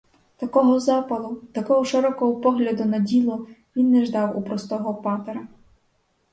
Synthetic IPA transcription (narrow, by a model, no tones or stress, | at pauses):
t̪ɐkɔmʊzɑpɐlˠʊt̪ɐkɔɦɔʃɪɾɔkɔɦɔpɔɦlʲɐd̪ʊnɐdʲilˠɔʋʲinːɛʒd̪ɑwṵpɾɔst̪ɔɦɔpɑt̪eɾɐ